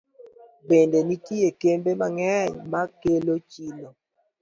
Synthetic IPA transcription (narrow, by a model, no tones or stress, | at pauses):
bendenitiekembemaŋɛɲmakelot͡ʃilo